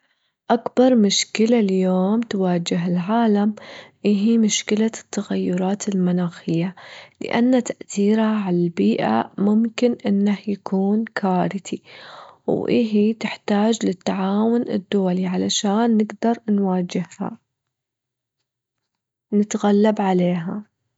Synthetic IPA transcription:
ʔakbɑɾˤmʊʃkɪlaljoːmt̪waːd͡ʒɪɦɪlʕaːlamʔɪɦimʊʃkɪlat̪ːaɣajːʊɾˤɑːt̪ɪlmanaːxɪjːalɪ̰ʔa̰nːat̪aʔθiːɾhaʕalalbiːʔa̰mʊmkɪnʔɪnːahjakuːnkʰaːɾɪt̪i | wʔɪ̰ɦit̪ɪħt̪aːd͡ʒlɪt̪ːaʕaːwʊnɪ̰d̪ːʊwaliʕalaʃaːnːɪɡd̪ɑɾˤnwaːd͡ʒɪhha̰ | nɪt̪ɣalːabʕaleːɦa

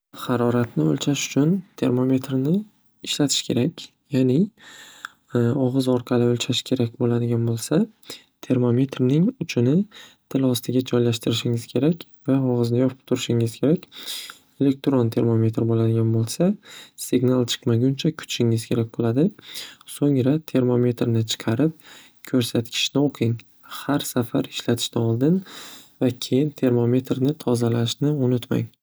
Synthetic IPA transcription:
haɾɒɾat̪nɪo̰lt͡ʃʰaʃʊ̥t͡ʃʰʊnt̪ʰe̞̰ɾmo̞me̞t̪ɾnɪː | ʃlat̪ʰɪ̥ʃkʲʰe̞ɾakʲ | janɪ | ɒʁɨzɒɾqʰɑlɪolt͡ʃʰaʃkʲʰe̞ɾakʲbolad̪ɪɡʲanbolˠsa | t̪ʰe̞ɾmo̞me̞t̪ɾnɪŋʊt͡ʃʰɪnɪt̪ʰɪlɒst̪ʰɪɡʲad͡ʒɒjlaʃt̪ʰɪɾɪʃɪŋɪz̥kʲʰe̞ɾakʲvaɒʁɨznɪjɒpʰɪ̥p̚t̪ʰʊɾɪʃɪŋɪz̥kʲʰe̞ɾakʲ | e̞le̞k̚t̪ɾont̪ʰe̞ɾmome̞t̪ɾbolad̪ɪɡʲanbolˠsasɪɡnalˠt͡ʃʰɨ̥qmaɡʲʊnt͡ʃʰakʰʊ̥t͡ʃʃɪŋɪzkʲʰe̞ɾak̚ʲbolˠad̪ɪsoŋɾat̪ʰe̞ɾmo̞me̞t̪ɾnɪt͡ʃʰɨ̥qʰɑɾɪp̚ | kʲʰɵɾsat̪kʲʰɪ̥ʃnɪoqʰɪŋ | haɾsafaɾɪ̥ʃlat̪ʰɪ̥ʃnɪɒlˠd̪ɪnvakʲʰe̞jɪnt̪ʰe̞ɾmome̞t̪ɾnɪt̪ʰɒzalaʃnɪʊnʊt̪ma̰ŋ

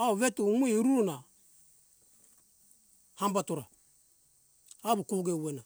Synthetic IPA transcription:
auvetumuiɾuɾuna | hambatuɾa | abukuɡewena

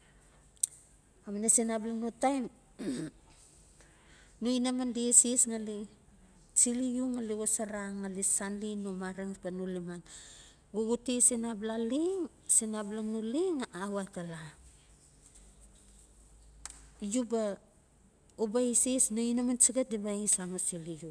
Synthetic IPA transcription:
aminasinablanutajn | nuinamandisisŋali | t͡ʃilijuŋaliɡosaɾaŋalisanlinumaɾeŋsbanuliman | ɡuɡutisinablaliŋ | sinablaŋnuliŋaawatala | juba | ubaisisnoinamansiɡat̚dibaisamosiliju

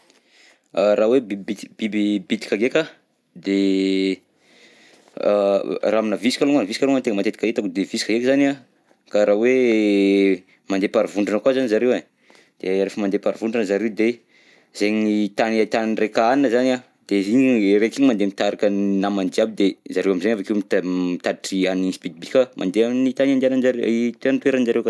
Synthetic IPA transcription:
rawebibit̪b̥ibibit̪i̥kʲaɡekʲa | d̪e | raaminavisi̥kaluŋanviikaluŋant̪eŋəmat̪et̪ikaet̪akud̪evisi̥kaɡekəzana | kaɾawe | mand̪epaɾivuɳɖ͡ʐanəkwazanizaɾewe | d̪̥eɾefəmand̪epaɾivuɳɖ͡ʐanəzaɾewd̪e | zeɲnit̪anat̪anirekaaninəzana | d̪̥eiɲeɾekiɲimand̪emit̪aɾakənamand̪iabid̪ezaɾewamizaɲafakemit̪mit̪ad̪iʈ͡ʂianninspid̪̚bikamʔa̰nd̪eamnit̪anand̪anand͡ʒaɾeit̪went̪weɾənid͡ʒaɾewka

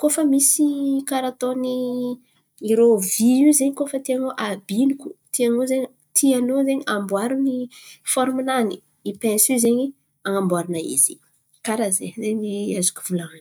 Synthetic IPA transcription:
kofəmisikaɾat̪oni | iɾoviizeɲikofət̪iaŋoʔabinukut̪iaŋozeɲi | t̪ʰianozeɲiambwaɾunifɔɾminani | ipɛ̃nsizeɲi | aŋambwaɾinaḭzi | kaɾazezeɲiazu̥kʲu̥v̥ulaan

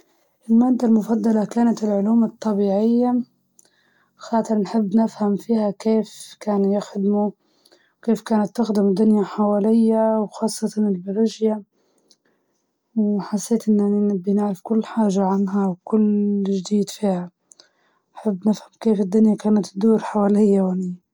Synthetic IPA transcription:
ʔɪlmad̪almʊfɑd̪ˤːɑlakaːnat̪ɪlʕʊluːmɑt̪ˤːɑbiːʕɪjːa | xɑːt̪ˤɨɾˤnħɪbːnɪfhamfiːhakeːfkaːnjɪxd̪mu | wkeːfkaːnat̪ːʊxd̪ɪmd̪ʊnjaħawaːlɪjːawxɑːsˤːɑt̪ʰɑnɪlbaɾɪʒja | wħasːeːt̪ʔɪnːaninɪbːinɪʕɾɪfkʊlːħaːʒaʕanɦawkʊlʒd̪iːd̪fiːha | nħɪbːnɪfhamkeːfɪd̪ːʊnjakaːnat̪d̪uːɾħawaːlɪjːawani

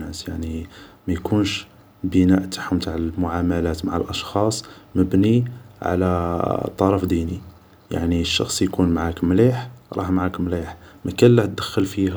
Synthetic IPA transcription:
æsjaʕnimæjkʰunʃ | bənæʔt̪ʰḁħmt̪aʕəlmʊʕamælæt̪maʕə̰lʔɑʃxɑsˤməbniʕa̰læt̪ˤːɑɾˤɑfd̪ini | ja̰ʕniʃːɑ̰xsˤjkunmaʕakmliħɾˤɑ̰ħmʕakmliħmækælːæht̪̚d̪əxːəlfih

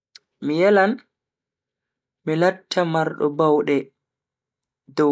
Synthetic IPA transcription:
mijɛlan | milatʰːamaɾɗɔ̰bawɗɛ | dɔ

